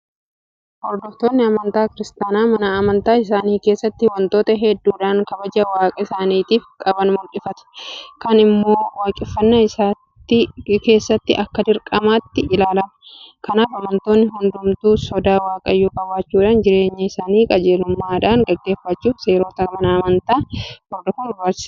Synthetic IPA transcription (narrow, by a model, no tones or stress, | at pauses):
hɔɾd̪ɔft̪o̞ːnːɪɐmɐnt̪aːkɪɾɪst̪aːnaːmɐnɐːmɐnt̪aːɪs̬aːniːke̞ːsːɐt̪ːɪwɐnt̪o̞ːt̪ɐɦɛd̪ːuːᶑaːŋkɐbɐd͡ʒɐwaːkʼɐɪsaːniːt̪iːfkʼɐbɐnmʊlɗɪfɐt̪ʊ̥kɐnɪmːo̞ːwaːkʼɪfːɐnːɐɪ | ke̞ːsːɐt̪ːɪʔɐkːɐd̪ɪɾkʼɐmaːt̪ːɪʔɪlaːlɐmɐ̥kɐnaːfɐmɐnt̪oːnːɪɦʊnd̪ʊmt̪uːsɔd̪aːwaːkʼɐ̰jːoːkɐwaːt͡ʃːuːᶑaːnd͡ʒɪɾe̞ːɲːɐɪsaːniːkʼɐd͡ʒeːlʊmːaːᶑaːŋɡɐɡːe̞ːfːɐt͡ʃːuːfseːɾo̞ːt̪ɐmɐnaːmɐnt̪aːhɔɾᶑɐkʊnɾʊɐɾs